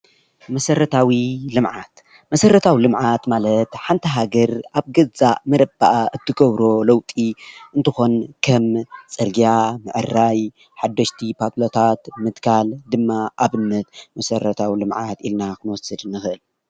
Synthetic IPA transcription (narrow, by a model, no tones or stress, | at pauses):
mɐsɐɾɐt̪ʰawilɨmʕat̪ | mɐsɐrːɐt̪ʰawilɨmʕat̪malɐt̪ħant̪ʰɐɦaɡɐɾʔaβɡɐzaʔmɐɾɐba̰ʔaʔɨt̪ʰːɨɡɐβɾo̞lɐwt̪ʼiʔɨnt̪ʰɨxo̞nkʰɐmt͡sʼɐɾɡijamɨʕɨrːaj | ħad̪ːɐʃt̪ʰipʰat̪ʼlot̪ʰat̪mɨt̪kʰald̪ɨmːaʔaβɨnːɐt̪mɐsɐɾɐt̪ʰawilɨmʕat̪ilnakʰɨnwɔsɨd̪ɨnːɨxɨʔɨl